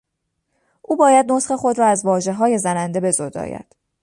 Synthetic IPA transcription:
ʔuːbɒːjæd̪̚no̞sχe̞χo̞d̪ɾɒːæzvɒːʒe̞ɦɒːje̞zænænd̪e̞be̞zod̪ɒ̰ːjæ̰ɾd̪̥

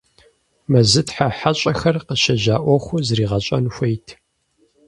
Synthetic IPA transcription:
mɐzɨtħaħaɕʼɐxɐrqəʃɐʑaːʔʷɔxʷʊzriːʁɐɕʼɐnxʷejtʰ

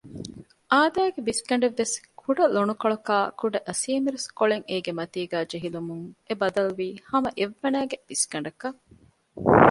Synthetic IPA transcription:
ʔaːd̪æːɡebiskɐɳ̆ɖeʋːeskʰuɖɐlonukɐɭɐkaːkuɖɐʔɐsiːmiɾeskoɭeŋeːɡemɐt̪iːɡæːd͡ʒeɦilumuŋebɐd̪ɐluʋiːhɐmɐʔeʋːɐnæːɡeb̥iskɐɳɖɐkɐ

